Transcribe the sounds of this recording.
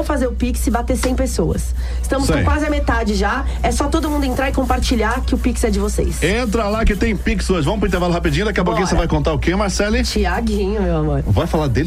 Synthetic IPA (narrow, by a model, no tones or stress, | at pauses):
wfazeɾʊpiksɪbat̪esẽj̃pesowɐ̰s | ɪst̪ɐ̃mʊskõkwazɪɐmet̪ad͡ʒɪʒa | ɛsɔt̪od̪ʊmũnd̪ʊẽnt̪ɾaɾɪkõpaɾt͡ʃiʎaɾkɪʊpiksɪɛd͡ʒɪvosḛjsẽt̪ɾɐlakɪt̪ẽj̃piksɪoʒɪvɐ̃m̃p̬ɾʊĩt̪eɾvalʊhapid͡ʒĩɲʊd̪akiɐbokkɐsevajkõnt̪aʊkemaɾsɛlɪt͡ʃiaɡĩɲʊmewamoɾvajfalad̪el